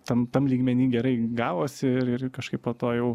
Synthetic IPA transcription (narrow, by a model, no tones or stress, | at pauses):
t̪ɐmt̪ɐmlʲiːɡmʲɛnʲiːɡʲɛɾɐɪɡɑːʋoːsʲɪɪrɪrkɐʃkɐɪpoːt̪oːjɛʊ